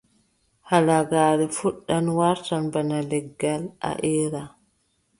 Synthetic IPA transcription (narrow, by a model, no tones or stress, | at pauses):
halaɡaːɾɛfuɗːanwaɾtanbanalɛɡːalʔa̰ʔɛːɾa